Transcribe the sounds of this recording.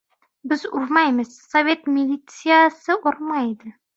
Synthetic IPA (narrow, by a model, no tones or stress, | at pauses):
bɘzuɾmɑjməz̥sovʲe̞t̪mʲɪlʲit̪sɨjasəʔuɾmɑjd̪ɪ